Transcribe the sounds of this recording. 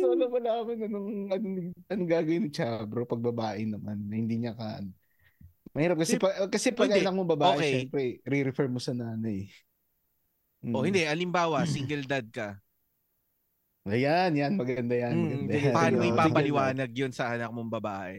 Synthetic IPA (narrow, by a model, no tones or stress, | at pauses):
nolomɐlaːɐmɐnɐnoŋʔɐnʊnɪɡ̚ɐnɡaːɡɐwɪnɪt͡ʃaːbɾopɐɡ̚bɐbaːʔɪnɐmanːɐhɪnd̪iːɲɐkan | mɐhiːɾɐp̚kɐsɛpɐkɐsɛpɐɡʔɐnɐk̚mobɐbaoːʔɛkɛʃɛmpɾɛɾɛɾɛfɛɹmosɐnaːnɐj | ʔohɪnd̪ɛʔɐlɪmbaːwɐsiŋɡɛld̪ad̪̚kɐ | ʔɐjanjanmɐɡɐnd̪ɐjɐnɐnd̪ɐapɐʔaːnomʔɪpaːpɐlɪwaːnɐɡ̚jonsɐʔɐnɐk̚moŋbɐbaːʔɛ